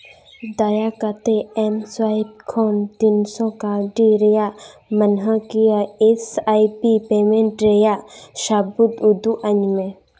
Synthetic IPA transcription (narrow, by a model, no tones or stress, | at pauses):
d̪aːjakat̪eɛmswaib̚kʰoːnt̪iːnsɔkaːɾɖiɾejamənɦakijaesaːipipeːmẽɳʈɾejaʃaːbut̪ʊd̪uʔəɲmẽ